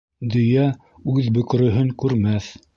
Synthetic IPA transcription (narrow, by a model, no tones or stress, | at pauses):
d̪ɵ̆jæ | ʉðbɵ̆k̆ɾɵ̆ɦɘŋkʉɾmæθ